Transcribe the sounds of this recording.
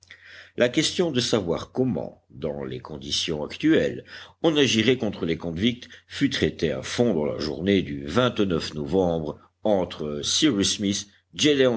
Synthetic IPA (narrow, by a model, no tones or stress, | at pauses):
lʔakʲɛst̪jɔ̃d̪əsavwaʁkɔmɑ̰̃ | d̪ɑ̰̃lḛkɔ̃d̪isjɔ̃akt̪yɛlɔ̃naʒiʁɛkɔ̃t̪χəlekɔ̃vik̚t̪fyt̪χɛt̪ea̰fɔ̃d̪ɑ̃la̰ʒṵʁned̪yvɛ̃t̪nœfnɔvɑ̃bʁ | ɑ̃t̪χəsiʁismis | d͡ʒeleɑ̃